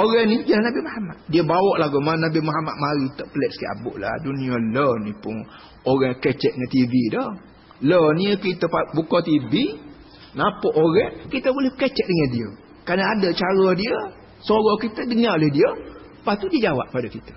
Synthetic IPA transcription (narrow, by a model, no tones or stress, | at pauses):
oɾanid͡ʒalahnabɪmaɦama̰t̪̚diəbawɔʔlahɡumanabɪmaɦama̰ʔ̪̚maɾit̪əʔpəlɛt̪̚sə̥kiʔa̰bʊ̰ʔla̰hduniələnipʊŋ | oɾɛŋkɛt͡ʃɛt̪̚ŋant̪ividɔ | lənikit̪əpabukot̪ivi | napɔʔoɾɛŋkit̪əbolɛhkɛt͡ʃɛʔ̚dəŋandiə | kɾanəadət͡ʃaɾɔdiə | soɾɔkit̪ədəŋaolɛhdiə | pat̪ːudiəd͡ʒawa̰ʔ̚padakit̪ə̥